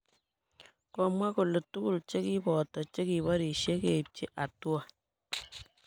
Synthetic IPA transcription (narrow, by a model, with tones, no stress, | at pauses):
kɔ˦mwa˦ko˨lo˨tu˦ku˦˨lt͡ʃe˦ki˦bɔ˨tɔ˨t͡ʃe˦ki˨βa˦ɾi˨ʃe˦ke˨p̚t͡ʃe˦ʔa˨tu˦a˨